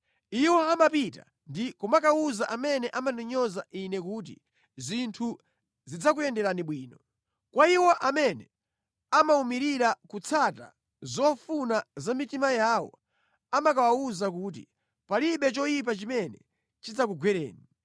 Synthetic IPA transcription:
iwɔamapita̰ | ndikumakauzaʔamɛnɛʔamanɔɲɔzaʔinɛkuːt̬ḭ | zintʰu | zid͡zakujɛndɛɾaniɓwiːnɔ | kwaiwɔʔamɛnɛ | amaumiɾiɾakut͡sʰata̰ | zɔfunazamitimajaːwɔ̰ | amakawauzakuːt̬i | paliɓɛt͡ʃɔjip̬at͡ʃimɛnɛ | t͡ʃid͡zakuɡwɛɾɛ̰ːni

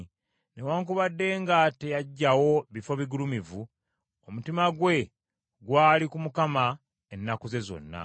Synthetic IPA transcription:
ne̞waːŋkuβadːe̞ːŋɡate̞jaɟːawo̞βifo̞βiɡulumivu | omutimaɡwe̞ | ɡwaːlikumukama | enːakuze̞zo̞̰nːa̰

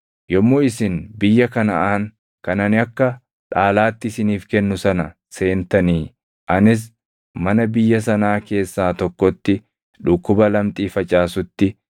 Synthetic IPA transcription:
jɔmːoːɪsɪnbɪjːɐkɐnɐʔaːŋ | kɐnɐnɪɐkːɐ | ᶑaːlaːt̪ːɪɪsɪniːfkɛnːʊsɐnɐ | se̞ːnt̪ɐniː | ʔɐnɪs̬ | mɐnɐbɪjːɐs̬ɐnaːke̞ːsːaːt̪ɔkːɔt̪ːɪ | ᶑʊkːʊbɐlɐmt̪ʼiːfɐt͡ʃʼaːsʊt̪ːɪ

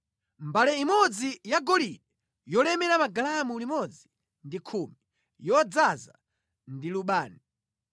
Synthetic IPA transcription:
mbalɛimɔd͡zijaɡɔliɗɛ | jɔlɛmɛɾamaɡalamulimɔd͡zi | ndikʰuːmi | jɔd͡zaza̰ | ndiluɓaːni

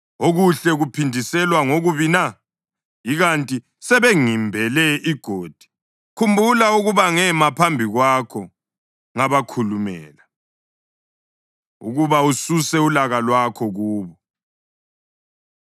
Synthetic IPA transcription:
oɣuɬɛɣupʰindʱisɛlwaŋoɣuβina | iɣantʼi | sɛβeŋimbʱɛlɛiɡ̥ʱoːd̥ʱi̥ | kʰumbʱulauɣuβaŋɛmapʰambʱiɣwakʰɔ | ŋaβakʰulumɛ̰ːla | ṵɣuβaususɛulaɣalwakʰɔɣuːβɔ

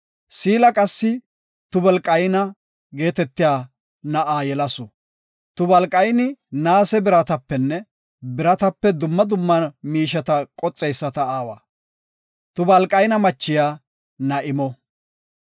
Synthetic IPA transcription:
siːlɐkʼɐsːɪ | t̪ʊbɐlkʼɐjnɐ | ɡe̞ːt̪ɛt̪ːɪjaː | nɐʔaːjɛlɐsʊ | t̪ʊbɐlkʼɐjnɪnaːsɛbɪɾɐt̪ɐpːɛnːɛ | bɪɾɐt̪ɐpːɛd̪ʊmːɐd̪ʊmːɐnmiːʃɐt̪ɐkʼɔt͡sʼːɛjsːɐt̪ɐaːwa̰ː | t̪ʊbɐlkʼɐjnɐmɐt͡ʃːɪjaː | nɐʔɪmɔ

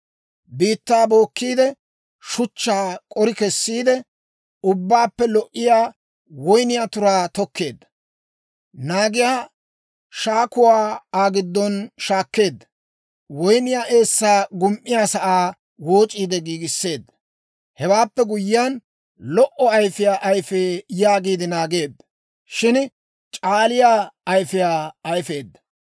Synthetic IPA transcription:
biːt̪ːaːbo̞ːkːiːd̪ɛ | ʃʊt͡ʃːaːkʼɔɾɪkɛsːiːd̪ɛ | ʊbːaːpːɛlɔʔːɪjaː | wɔjnɪjat̪ʊɾaːt̪ɔkːe̞ːd̪ːɐ̥ | naːɡɪjaː | ʃaːkʊwaːaːɡɪd̪ːɔnʃaːkːe̞ːd̪ːɐ | wɔjnɪjaːʔe̞ːsːaːɡʊmʔːɪjaːsɐʔaː | woːt͡ʃʼiːd̪ɛɡiːɡɪsːe̞ːd̪ːɐ | hɛwaːpːɛɡʊjːɪjan | lɔʔɔɐjfɪjaːʔɐjfeːjaːɡiːd̪ɪnaːɡe̞ːd̪ːɐ | ʃɪn | t͡ʃʼaːlɪjaːɐjfɪjaːɐjfe̞ːd̪ːɐ

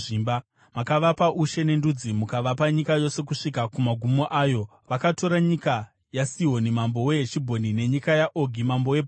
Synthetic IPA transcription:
iːmba | makaʋapaʔuʃe̞ne̞ndud͡zimukaʋapaɲikajo̞se̞kuʂikakumaɡʱumo̞ʔaːjo̞ | ʋakato̞ɾaɲika | jasiɦo̞nimambo̞we̞ɦet͡ʃibʱo̞nine̞ɲikajaʔoɡʱimambo̞webʱ

